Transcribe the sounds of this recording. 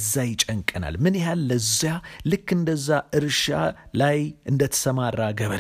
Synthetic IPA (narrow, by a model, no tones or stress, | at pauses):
zːajɪt͡ʃʼəŋkʼəna̰lmɨnjɛɦalːəzjalɨkːɨnd̪əzːaʔɨɾʃa̰lajʔɨnd̪ət̪ʰə̥səmarːaɡəβə